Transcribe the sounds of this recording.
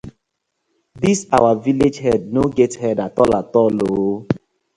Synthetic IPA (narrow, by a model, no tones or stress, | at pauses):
disawaviled͡ʒɦɛdnoɡɛthɛdatɔlatɔlo